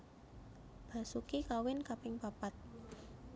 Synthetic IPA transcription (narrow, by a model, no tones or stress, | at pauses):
b̥a̤sukikawɪnkapɪŋpapat̪̚